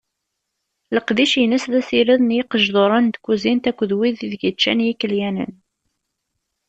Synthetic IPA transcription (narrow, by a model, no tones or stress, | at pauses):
ləqðiʃənəsðæsiɾiðˤnjiqəʒðˤoɾˤɑnd̪kʷːuzint̪ækʷːəðwiðiðɡət͡ʃːæ̰njikːəljænə̰n